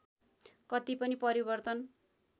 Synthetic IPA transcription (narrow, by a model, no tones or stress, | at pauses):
kʌt̪ipʌnipʌɾibʌrt̪ʌn